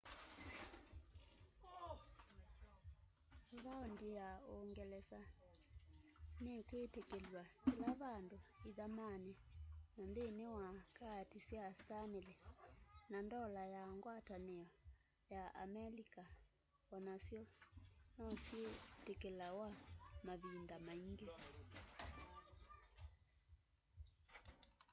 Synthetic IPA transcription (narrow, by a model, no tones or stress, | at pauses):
βaondijaoŋɡɛlɛsa | nekwetekelwakilaβandoiðamanɛnanðenewakatisjastanelɛnandɔlajaŋɡwataneɔ | jaa̰mɛlika | wɔnasjɔnɔsjetekelawamaβindamaiŋɡe